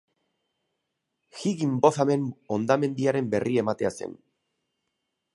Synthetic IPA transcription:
xiɣimbo̞θame̞no̞nd̪ame̞nd̪iaɾe̞mbe̞rʔie̞mat̪e̞ase̞̰n

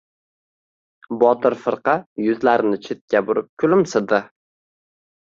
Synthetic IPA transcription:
bɒt̪ʰɪɾfɨɾqʰɑjʊzlaɾɪnɪt͡ʃʰet̪̚kʲabʊɾɪp̚kʲʰʊlɪmsɪd̪ɪ

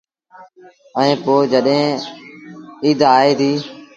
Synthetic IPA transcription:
əĩːpoːd͡ʒəɗɦẽː | iːd̪ʱaːeːd̪iː

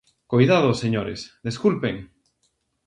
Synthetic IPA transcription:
kojðaðʊseɲoɾḛsðeskulpeŋ

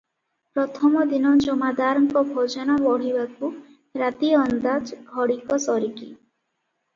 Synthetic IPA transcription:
pɾɔt̪ʰɔmɔd̪inɔd͡ʒɔmad̪aɾɔŋkɔbʱɔd͡ʒɔnɔbɔɽ̤ibaku | ɾat̪iɔnd̪ad͡ʒɦɔɽikɔsɔɾiki

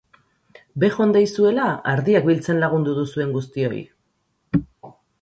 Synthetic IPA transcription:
be̞xo̞nd̪ajsue̞laaɾðiakbilt͡se̞nlaɣ̞und̪uðusue̞ŋɡust̪io̞̰j

